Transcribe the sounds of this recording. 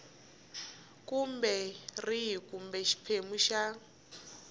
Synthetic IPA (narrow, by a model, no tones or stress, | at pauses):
kumbɛriɦikumbɛʃi̥pʰemuʃa